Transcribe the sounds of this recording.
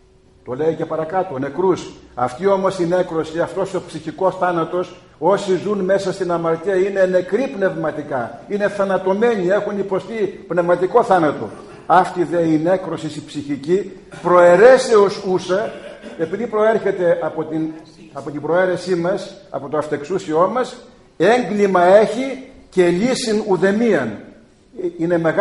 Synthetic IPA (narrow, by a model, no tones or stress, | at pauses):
t̪o̞leice̞pɐɾɐkɐt̪one̞kɾusɐft̪io̞mo̞sine̞kɾo̞siɐft̪o̞sopsiçiko̞sθɐnɐt̪o̞s | o̞sizunme̞sɐst̪inɐmɐɾt̪iɐine̞ne̞kɾipne̞vmɐt̪ikɐine̞θɐnɐt̪o̞me̞ɲie̞xunipo̞st̪ipne̞vmɐt̪iko̞θɐnɐt̪o̞ | ɐft̪iðeinekɾo̞sisipsiçici | pɾo̞e̞ɾeseosusɐe̞piðipɾo̞eɾçe̞t̪e̞ɐpot̪in | ɐpot̪ibɾo̞eɾe̞simɐsɐ̰po̞t̪oɐft̪e̞ksusio̞mɐs | e̞ŋɡlimɐe̞çice̞lisinuðe̞miɐn | ine̞me̞ɣ